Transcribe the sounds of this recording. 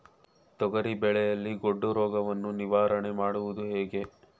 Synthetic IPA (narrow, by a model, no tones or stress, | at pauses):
t̪ɔɡɐɾibɛɭɛjɐlːiɡoɖːuɾɔːɡɐʋɐnːuniʋaːɾɐɳemaːɽuʋud̪uɦeːɡe̞